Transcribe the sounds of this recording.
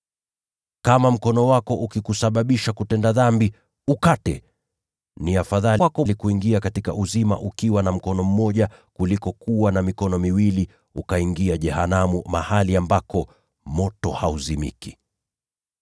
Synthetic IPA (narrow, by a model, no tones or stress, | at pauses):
kamam̩kɔnɔwakɔʔukikusaɓaɓiʃakutɛndaðambi | ukatɛ | niafaðalakɔlikuiŋɡiakatika̰ʔuzima̰ʔukiwanam̩kɔnɔm̩mɔʄakulikɔkuwanamikɔnɔmiwili | ukaiŋɡiaʄɛhanamumahaliambakɔ | mɔtɔhauzimḭki̥